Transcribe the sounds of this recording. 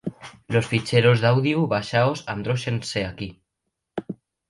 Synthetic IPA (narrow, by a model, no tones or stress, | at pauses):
losfit͡ʃeɾozðawðiuβaʃaozand̪ɾoʃenseaki